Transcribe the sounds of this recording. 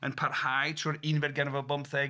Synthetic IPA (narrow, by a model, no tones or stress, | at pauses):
ənpʰarhajtʰruːɾinvɛrɡɛnvɔlˠbɔmpθɛ